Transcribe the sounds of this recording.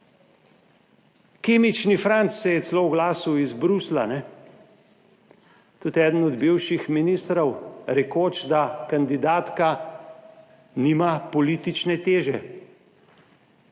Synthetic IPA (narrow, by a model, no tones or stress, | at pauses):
keːmit͡ʃnifɾant̪sːɛjɛt̪slowɡlaːsuizbɾuslanɛ | t̪ut̪ɛːd̪ən̩ɔd̪biwʃixminist̪ɾɔwɾɛkoːt͡ʃd̪akand̪id̪aːt̪ka | niːmapɔlit̪it͡ʃnɛt̪eːʒɛ